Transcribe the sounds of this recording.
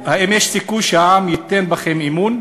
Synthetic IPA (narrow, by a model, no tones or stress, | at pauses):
haʔimjeʃsikujʃehaʕamjit̪ːenbaχemimun